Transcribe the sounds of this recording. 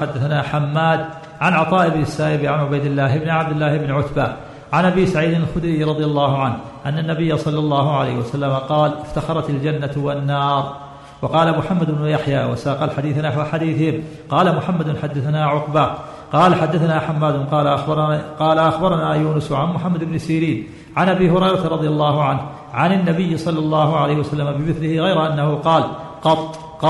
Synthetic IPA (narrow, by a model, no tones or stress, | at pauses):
ħad̪ːaθanaːħamːaːd̪̚ | ʕanʕɑt̪ˤɑːʔɪbnɪsːaːʔɪbʕanʕʊbajd̪ɪlːaːhɪbnɪʕab̚d̪ɪlːaːhɪbnɪʕʊt̪baː | ʕanʔabiːsaʕiːd̪ɪnalxʊd̪ɾiːɾˤɑd̪ˤjalːɑːhʊʕanh | ʔanːanːabɪjːasˤɑlːɑlˤːɑːɦʊʕala̰ːhwasalːamaqɑːlɪft̪axɑɾˤɑt̪ald͡ʒanːawanːɑːɾˤ | wɑqɑːlamʊħamːad̪ʊbnʊjaħjaːwa̰saːqɑlħad̪iːθnaħwaħad̪iːθɪhɪm | qɑːlamʊħamːad̪ʊnħad̪ːaθanaːʕʊqba | qɑːlaħad̪ːaθanaːħamːaːd̪ʊnqɑːlʔqɑːlaʔaxbɑɾˤɑnaːjuːnʊsʕanmʊħamːad̪ɪbnɪsiːɾiːn | ʕanʔabiːhʊɾɑjɾˤɑt̪aɾˤɑd̪ˤɨjalˤːɑːhʊʕanh | ʕanɪnːabɪjːɪsˤɑlːɑlˤːɑːhʊʕalajhɪwasalːamabɪmɪθlɪhɪɣajɾaʔanːahʊqɑːlqɑt̪ˤː | qɑ